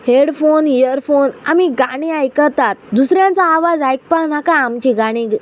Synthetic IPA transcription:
heɽfonijəɾfonamiɡaɽ̃ĩajkəɾt̪at̪̚d̪usɾjãnt͡saːʋad͡zajk̚pãnakaamt͡ɕiɡaɽ̃ĩɡ

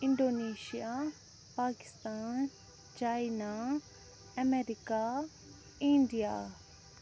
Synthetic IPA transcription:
ɪ̃ɳɖoːneːʃija | paːkɪ̥st̪aːn | t͡ʃaːjna | ɐmeɾika | ĩɳɖija̰

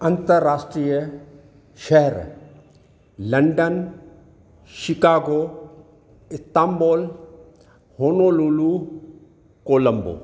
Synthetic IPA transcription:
ɐ̃nt̪əɾːaːsʈɾiːjə | ʃɐɦɾ | lɐɳɖən | ʃɪkaːɡoː | ɪst̪aːmboːl | hoːnoːluːlu | koːlɐmbo̰ː

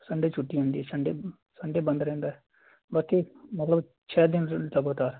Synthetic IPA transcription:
səɳɖeːt͡ʃʰʊʈːiːɦõːnd̪iːɛːt͡ʃʰəɳɖeː | səɳɖeːbə̃nd̪ɾɛ̃ːnd̪aːɦɛː | baːkimət̪ləb | t͡ʃʰɛːd̪ɪnləɡoːt̪aːɾ

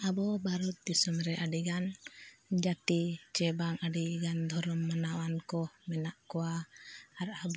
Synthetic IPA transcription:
abɔbʱaɾɔt̪̚d̪isɔmɾɛʔaɖiɡan | d͡ʒat̪it͡ʃɛbaŋaɖiɡand̪ʱɔɾɔmːanawankɔmɛnaʔkɔwaː | ɾab

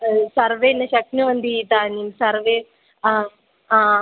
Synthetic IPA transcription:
sɐɾʋenɐɕɐk̚nuʋɐnd̪it̪aːnimsɐɾʋe

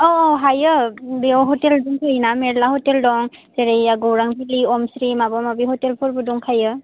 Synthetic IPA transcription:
ɔɦajɯdeɔɦɔtɛlduŋtuinamɛɹlahɔtɛldɔŋ | seɹejaɡowɹaŋbʱiliɔmsɾimabɔmabiɦɔtɛlpʰɔɹbudɔŋkʰajɯ

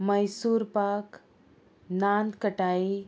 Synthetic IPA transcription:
mɐjsuɾpak | nant̪kəʈaːi

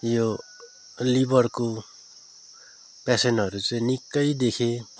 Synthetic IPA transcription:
jo | libʌrko | pasenɦʌɾut͡sʌĩnikːʌjd̪ekʰe

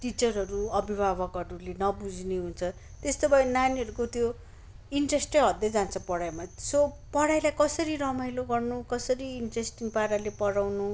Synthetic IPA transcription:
ʈit͡sʌrɦʌɾuʌbʱibʱabʌkʌʈulenʌbud͡zneɦunt͡sʰʌ | t̪est̪obʱʌenaniʌɾukot̪jo | iɳʈresʈʌɦʌd̪ʌd͡zant͡sʰʌpʌɽajmaso | pʌɽajlajkʌsʌɾiɾʌmajloɡʌrnukʌsʌɾiːɳʈresʈiŋɡpaɾalepʌɽawnu

